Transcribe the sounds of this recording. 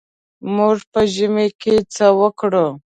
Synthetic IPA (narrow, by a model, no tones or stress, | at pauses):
muʐpəʒimeket͡səwəkɽo